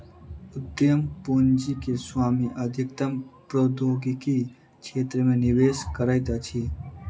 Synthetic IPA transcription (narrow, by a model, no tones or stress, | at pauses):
ʊd̪jəmpund͡ʒikeswaːmiʔəd̪ʱikt̪əmpɾod̪ʱoːɡiki | t͡ʃʰeːt̪ɾəmẽniʋeːskəɾajt̪at͡ʃʰiː